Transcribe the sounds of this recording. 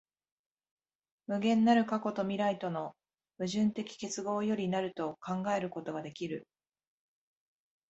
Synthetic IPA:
mɯ̟ɡẽ̞nːaɾɯ̟kako̞t̪o̞mʲiɾait̪o̞no̞ | bɯ̟ʑɨ̃nt̪e̞kʲi̥ke̞t͡sɨɡo̞ːjo̞ɾʲinaɾɯ̟t̪o̞kãŋɡae̞ɾɯ̟ko̞t̪o̞ɡad̪e̞kʲiɾɯ̟

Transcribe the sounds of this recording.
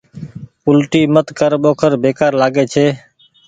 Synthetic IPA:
pʊlʈiːmət̪kəɾɓoːkʰəɾbeːkaːɾlaːɡeːt͡ʃʰeː

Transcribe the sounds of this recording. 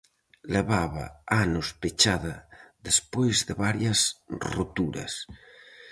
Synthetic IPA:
leβaβɐ̰anʊspet͡ʃaðɐðespojzðeβaɾjɐsrot̪uɾɐ̰s

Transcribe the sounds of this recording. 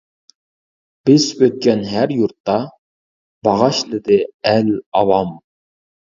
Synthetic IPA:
b̥ɪzøt̪̚kʲɛnɦæɾjuɾt̪ːɑ | b̥ɑʁɑʃlˠɨd̪ɪælɑvɑm

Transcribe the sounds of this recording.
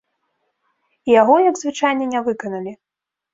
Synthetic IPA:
ijaɣɔjɐɡzvɨt͡ʂajnʲɛnʲavɨkɐnɐlʲi

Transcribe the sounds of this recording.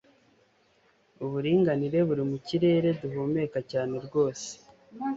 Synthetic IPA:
uβuɾiːŋɡaniɾe̞βuɾimuciɾe̞ːɾe̞duɦome̞kacaːne̞ɾɡo̞ːse̥

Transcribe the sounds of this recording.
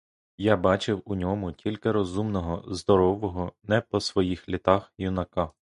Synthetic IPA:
jabɑt͡ʃɪwʊnʲɔmʊtʲilʲkɪɾɔzumnɔɦɔzd̪ɔɾɔʋɔɦɔnɛpɔsʋɔjixlʲit̪ɑxjʊnɐkɑ

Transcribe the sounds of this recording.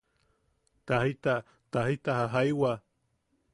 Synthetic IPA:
t̪ahit̪a | t̪ahit̪ahaɦajwa

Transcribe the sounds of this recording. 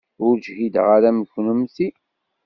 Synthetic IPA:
ʊɾd͡ʒɦid̪ʁaɾæməçnəmθi

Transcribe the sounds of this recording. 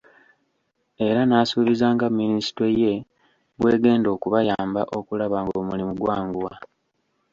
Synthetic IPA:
e̞ɾanaːsuβizaːŋɡamːinisi̥teje̞ | βwe̞ːɡe̞ːndo̞ːkuβajaːmba̰ʔo̞kulaβaːŋɡomulimuɡwaːŋɡuwa

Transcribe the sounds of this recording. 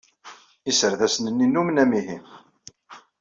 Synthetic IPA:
isəɾðæsənənːinːumnæmiɦim

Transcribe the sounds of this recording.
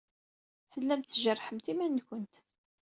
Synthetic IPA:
θəlːæmt̪ːʒərˤːħəmt̪imænːkʷənt̪

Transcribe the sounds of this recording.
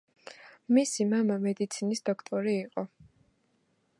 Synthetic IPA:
misimamamɛd̪it̪sʰinisd̪̥ɔkʰt̪ʼɔɾiːqʼɔ

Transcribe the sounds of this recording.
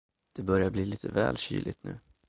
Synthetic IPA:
d̪̥ɛbœɾjabliːliːt̪ʰəvɛːlɕy̰ːlɪt̪nʉ̟ː

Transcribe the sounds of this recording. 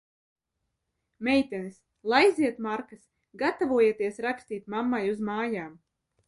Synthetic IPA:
mɛjt̪ɛnis | lˠajziɛt̪maɾkɐs | ɡat̪avuɔjet̪iɛsɾakst̪iːt̪mamːajuzmaːjaːm

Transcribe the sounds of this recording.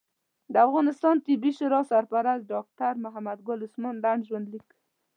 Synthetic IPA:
d̪əafɣɑnɪst̪ɑnt̪ɪbiʃʊɾɑsaɾpaɾas̚ɖɑk̚t̪aɾmʊɦamad̪ɡʊlʊsmɑnd̪aɳɖʒwand̪lik

